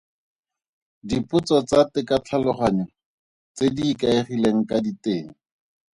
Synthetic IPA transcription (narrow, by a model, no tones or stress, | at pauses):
dipʊt͡sɔt͡satɪkat͡ɬʰalɔχaɲɔ | t͡sediːkaeχileŋ̩kaditeːŋ̩